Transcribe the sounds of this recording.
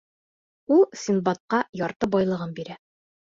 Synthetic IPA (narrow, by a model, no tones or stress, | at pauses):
ulˠsʲinbɑt̪̚qɑjɒɾt̪ɤbɒjlˠɤ̆ʁɤnbiɾæ